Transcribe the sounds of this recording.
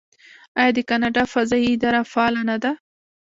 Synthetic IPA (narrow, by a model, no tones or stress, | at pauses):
ajɑd̪əkanɑɖɑfazɑjiɪd̪ɑɾafɑlanad̪a